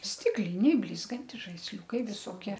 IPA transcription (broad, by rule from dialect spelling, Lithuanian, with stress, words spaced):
ˈsʲtʲɪklʲɪnʲɛɪ ˈbʲlʲɪzɡɐnʲtʲɪs ʒɐɪsʲˈlʲuːkɐɪ ʋʲɪˈsoːkʲiɛ